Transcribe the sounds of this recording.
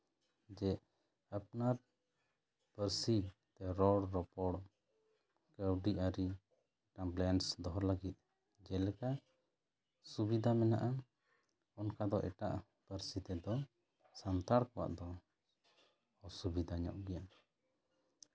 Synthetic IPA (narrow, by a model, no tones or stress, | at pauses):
d͡ʒɛ | əp̚naɾ | pəɾsit̪ɛɾɔɽɾɔpɔɽ | kəwɖiʔaɾi | ʈablɛnsd̪ɔɦɔɾlaɡit̪̚ˀ | d͡ʒɛlɛka | subid̪ʱamɛna̰ʔa | ɔnkad̪ɔʔɛʈa̰ʔ | pəɾsit̪ɛd̪ɔ | sant̪aɽkɔwa̰ʔd̪ɔ | subid̪ʱaɲɔ̰ʔɡɛja